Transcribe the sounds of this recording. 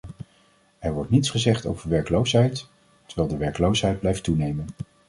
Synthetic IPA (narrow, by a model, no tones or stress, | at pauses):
ɛɹʋɔɹtnitsχəzɛχto̰wvəɹʋɛɹkəlowsɦɛjt | təɹʋɛːlˠdəʋɛɹkəlowsɦɛjd̚blɛjftːunejmən